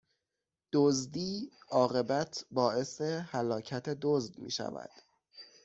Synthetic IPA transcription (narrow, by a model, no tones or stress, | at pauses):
d̪̥ozd̪iːɒːɣe̞bæt̪ʰbɒːʔe̞sehælɒːcʰæt̪ʰe̞d̪ozd̪mḭːʃæ̰væ̰d̪̥